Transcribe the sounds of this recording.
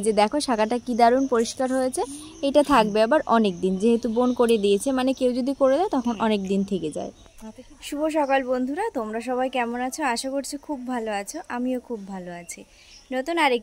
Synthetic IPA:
d͡ʑed̪ɛkʰoʃakaʈakid̪aɾunpoɾiʃkaɾɦojet͡ɕʰe | ejʈat̪ʰak̚beabaɾɔnek̚d̪ind͡ʑeɦet̪ubonkoɾed̪iet͡ɕʰemanekewd͡ʑod̪ikoɾed̪aet̪ɔkʰonʔɔnekd̪int̪ʰeked͡ʑa̰e | ʃuboʃɔkalbond̪ʱuɾat̪omɾaʃɔβaejkɛmonat͡ɕʰoaʃakoɾt͡ɕʰekʰubːʱaloat͡ɕʰoʔamiokʰubːʱaloat͡ɕʰi | not̪unaɾek

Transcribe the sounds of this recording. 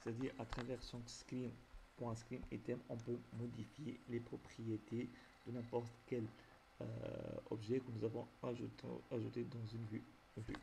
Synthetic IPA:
sɛ̥t̪ad̪iʁat̪χavɛʁsɔ̃sklimpuʁɛ̃sklimet̪ɛmɔ̃pømɔd̪ifjelepχɔpχijet̪e | d̪̥ənɛ̃pɔʁt̪kɛl̰ | ɔ̰bʒɛkənuzavɔ̃aʒuaʒut̪ed̪ɑ̃zynvy | vy̰

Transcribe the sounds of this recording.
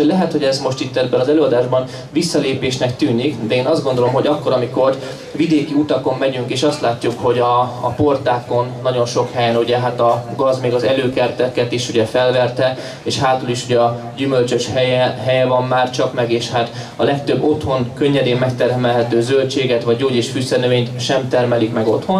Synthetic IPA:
oɟlɛɦɛt̪ho̞ɟɛzmoʃt̪it̪ːɛd̪bɛnɒzɛløːɒd̪aːʒbɒn | visːɒleːpeːʃnɛkt̪yːnikd̪ɛeːnɒzd̪ɡo̞nd̪olo̞mɦo̞ɟɒkːo̞ɾɒmiko̞r | vid̪eːkiut̪ɒko̞mːɛɟyŋkeːʃɒst̪laːcːukho̞ɟɒːpo̞rt̪aːko̞nːɒɟo̞nʃo̞khɛjɛnuɟɛɦaːt̪ɒɡɒzmeːɡɒzɛløːkɛrt̪ɛkɛt̪iʃuɟɛfɛlvɛrt̪ɛ | eːʃhaːt̪uliʃuɟɛɒ | ɟymølt͡ʃøʃhɛjɛɦɛjɛvɒmːaːrt͡ʃɒkmɛɡeːʃhaːt̪ | ɒlɛk̚t̪øbːo̞t̪ho̞nkøɲːɛd̪eːmmɛk̚t̪ɛrmɛlɦɛt̪øːzølt͡ʃeːɡɛt̪ʋɒɟːoːɟeːʃfysɛrnøveːɲt̪ʃɛmt̪ɛrmɛlikmɛɡo̞t̪ho̞n

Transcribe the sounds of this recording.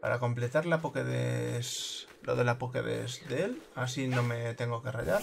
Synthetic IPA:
pa̰ɾako̞mple̞t̪aɾlapokeðḛs | lo̞̰ðe̞lapokḛðe̞̰sðeelas̬inõ̞me̞t̪e̞ŋɡo̞ke̞ra̰ʎaɾ

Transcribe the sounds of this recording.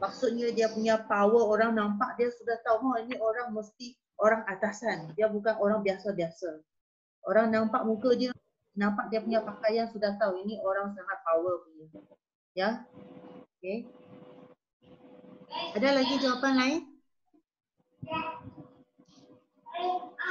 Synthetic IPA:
mak̚sut̪̚ɲadiapuɲapawəoɾaŋnampaʔ̚diasudaht̪awɦoinioɾaŋməst̪i | oɾaŋat̪asandiabukanʔoɾaŋbiasabiasa | ʔoɾaŋnampaʔ̚mũkədiə | nãmpak̚diapuɲapakajansudaht̪awinioɾaŋs̬əaŋat̪̚pawəpuɲə | ja | oke | adalaɡid͡ʒawapanlaɪn

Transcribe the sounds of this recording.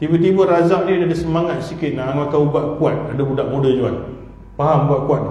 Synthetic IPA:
t̪ibət̪̬ibəɾazaʔ̚nidadəsəmaŋat̪̚sikɪt̪̚naŋakaubaʔkuat̪̚adəbudaʔmodəd͡ʒua̰n | paɦamubaʔkuat̪̚

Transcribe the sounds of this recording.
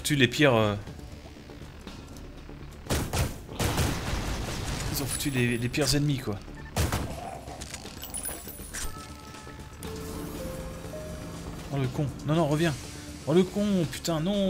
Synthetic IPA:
fu̥t̪ylepjɛʁø | izɔ̃fu̥t̪ylelepjɛʁzɛnmikwa | d̪ɑ̃ləkɔ̃nɔ̃nɔ̃ʁəvjɛ̃ɑ̃ləkɔ̃py̥t̪ɛ̃nɔ̃

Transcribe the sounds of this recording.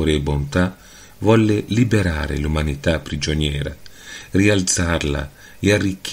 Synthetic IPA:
ɾɪɛbont̪a | vɔlːɪlibeɾaːɾɪ̰lumanit̪apːɾid͡ʒonjɛːɾa̰rialt̪sarla̰ | ɛarːikː

